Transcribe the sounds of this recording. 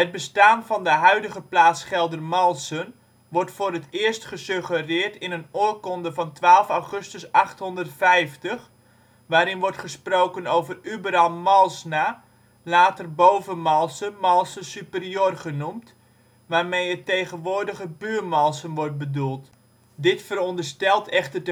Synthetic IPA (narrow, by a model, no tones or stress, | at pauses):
ɦət̚bəstaːnvɔndəɦœɥdəχəplaːsχɛlˠdərmɔlˠsən | ʋɔrtfʊːɾətʰɪːərstχəsøχərɪərtɪnənoːəkɔndəvɑntʋaːlˠfawχɵstəsɑχthɔndərtfɛjftəχ | ʋaːɾɪnʋɔrtχəsprowkənowvərybəɾalˠmɔlˠsna | laːtərbowvəmɔlˠsənmɔlˠsəsypərjøːrχənumt | ʋaːrmejətːejɣənʋoːrdəɣəbyːrmɔlˠsənʋɔrt̚bədulˠt | dɪtfəɾɔndərstɛlˠtʰɛχtərdə